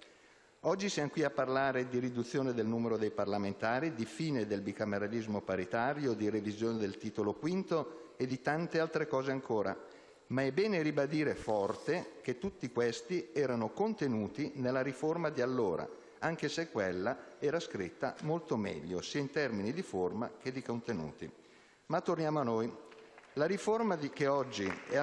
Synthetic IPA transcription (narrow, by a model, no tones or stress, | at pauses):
ɔd͡ʒːisjamokwiapːarlaːɾed̪iɾid̪ut̪sːjoːned̪elnuːmeɾod̪ejparlament̪aːɾid̪ifiːned̪elbikameɾalizmopaɾit̪aːɾjod̪iɾevizjoːned̪elt̪iːt̪olokwint̪oed̪it̪ant̪ealt̪ɾekɔːzeaŋkʰoːɾa̰ | maɛbːɛːneɾibad̪iːɾefɔrt̪ek̟et̪ːut̪ːikwest̪iɛːɾanokont̪enuːt̪inelːaɾiformad̪ialːoːɾa̰ | aŋk̟esekːwelːaɛːɾaskɾit̪ːa̰molt̪omɛ̰ʎːo̰siːaint̪ɛrminid̪iforma̰k̟ed̪ːikont̪enṵːt̪ḭ | mat̪ːornjaːmoanːojlaɾiformad̪ikeɔd͡ʒːiɛ